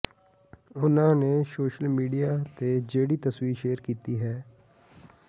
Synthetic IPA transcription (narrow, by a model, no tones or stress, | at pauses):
ʊnãːneːsoːʃəlmiːɖijaːt̪eːd͡ʒeːɽiːt̪əswiːɾʃeːəɾkiːt̪iːɦɛː